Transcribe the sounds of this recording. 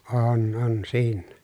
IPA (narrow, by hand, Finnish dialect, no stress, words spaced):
oːn on siːnːæ